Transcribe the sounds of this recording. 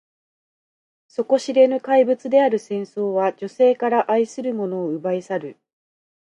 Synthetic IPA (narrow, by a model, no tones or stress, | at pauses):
so̞ko̞ɕiɾe̞nɯ̟kaibɯ̟t͡sɨd̪e̞aɾɯ̟sẽ̞ɰ̃so̞ːβad͡ʑo̞se̞ːkaɾaʔaisɨɾɯ̟mo̞no̞ːɯ̟baisaɾɯ̟